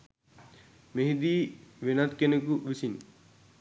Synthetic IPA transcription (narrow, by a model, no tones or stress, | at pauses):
meɦid̪iʋenat̪kenekuʋisin